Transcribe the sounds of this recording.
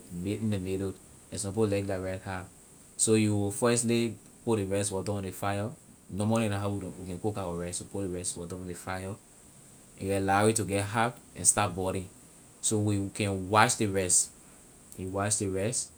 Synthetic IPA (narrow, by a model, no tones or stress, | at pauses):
metĩndəmedo | ɛ̃nsɔ̃polɛkdaɹathap | sojuwifɛstli | podiɹɛstwɔdɔ̃ndifajɔ | nomɔlĩnaɦawiwikɛ̃nkokawɔɹɛstːupodeɹɛstwɔdɔ̃ñndefajɔ | ĩɡɛlaɹituɡɛtɦapɛ̰̃nstat̚bɔɾĩ | sowikɛ̃nwaʃdiɹɛst | juwaʃdiɹɛst